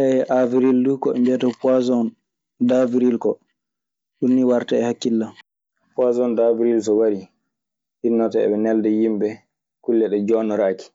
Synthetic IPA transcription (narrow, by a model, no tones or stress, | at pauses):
ʔɛjɛʔaviɾildukɔɛmbɛtɔpazɔn | daviɾilkɔ | ɗunːiwaɾtaɛhakːilːam | pazɔndaviɾilsɔwaɾi | hinːɔtɛɛ̰ɓɛnɛldɛjimbɛ | kulːɛɗɛd͡ʒɔːnɔɾaːki̥